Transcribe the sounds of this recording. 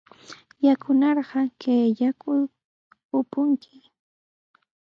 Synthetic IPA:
jakʊnɑɾɢɑkeːʎakʊ | ʊpʊŋkʰɪ

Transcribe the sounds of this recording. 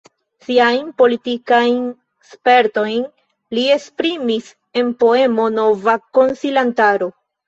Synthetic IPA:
siajnpo̞litikajn | spe̞ɾto̞jn | lie̞spɾimis | e̞npo̞e̞mo̞no̞vako̞nsilantaɾo̞

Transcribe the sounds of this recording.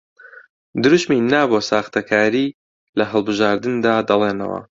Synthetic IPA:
d̪ɨɾuʃminaːbosaːxt̪ʰɐkʰaːɾiː | lɐɦɨlˠbɨʒaːɾd̪ɨnd̪aːd̪ɐlˠeːnɐ̰wɐ̰

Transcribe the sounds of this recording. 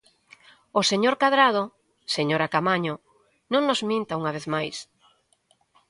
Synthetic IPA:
oseɲoɾkaðɾað̞o | seɲoɾakamaɲo | nõŋnozmĩnt̪auŋaβeθmajs

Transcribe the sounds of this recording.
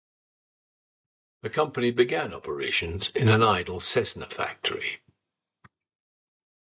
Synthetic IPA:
ðəkʰʌ̃mpənibɪɡãnɒpəɹḛɪʃə̃nzɪ̃nə̃naɪdəlˠsɛznə̰fa̰k̚tʰəɹḭ

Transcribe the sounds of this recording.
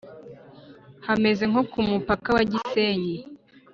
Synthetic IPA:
hame̞ze̞ŋ̥o̞kumupakawaɟiseːɲe

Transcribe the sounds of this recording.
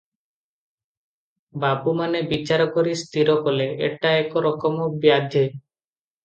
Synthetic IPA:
babumanebit͡ʃaɾɔkɔɾist̪ʰiɾɔkɔleḛʈaekɔɾɔkɔmɔbjad̪ʱje

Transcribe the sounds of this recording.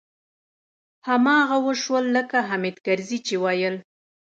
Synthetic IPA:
hamɑɣawəʃwəlːəkaɦamed̪kaɾzit͡ʃewɑjəl

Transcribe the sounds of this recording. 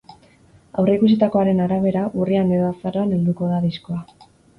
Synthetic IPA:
awre̞ikusit̪ako̞aɾe̞naɾaβ̞e̞ɾaʔuriane̞ðo̞asaroane̞ld̪uko̞ðaðisko̞a

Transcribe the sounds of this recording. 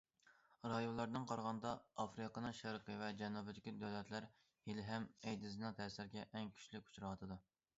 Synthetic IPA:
ɾɑjonlˠɑɾnɨŋqʰɑɾʁɑnd̪ɑɑfɾɨqənɨŋʃæɾqʰəvɛd͡ʒɛnubɪd̪ɪkʲid̪ɛwlɛt̪læɾ | jelɪɦɛmɛjd̪ɪzɨnɨŋt̪ʰɛsɪɾɡʲɛʔɛŋkʲʰy̥t͡ʃlɪkʲu̥t͡ʃʰuɾɑwɑt̪ʰɨd̪u

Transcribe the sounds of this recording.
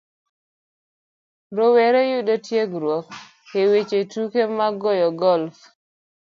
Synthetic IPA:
ɾoweɾejudotjeɡɾwɔk̚ | ewet͡ʃetukemaɡɔjɔɡɔlf

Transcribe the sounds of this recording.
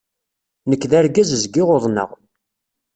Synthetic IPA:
nəkːðæɾɡæzəzɡɪʁoðˤnə̰ʁ

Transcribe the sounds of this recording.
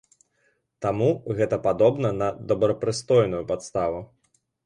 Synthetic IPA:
t̪amuɣɛt̪ɐpad̪ɔbnɐnɐd̪ɐbɾɐpɾɨst̪ɔjnujupat̪st̪avu

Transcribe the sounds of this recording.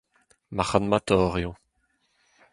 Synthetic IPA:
maχanmat̪ɔːʁjo

